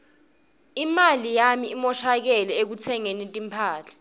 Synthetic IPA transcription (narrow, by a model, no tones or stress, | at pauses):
imalijamiimɔʃak̬ɛlɛek̬ut͡sʰɛŋenintʼimpʰaːt͡ɬʰḁ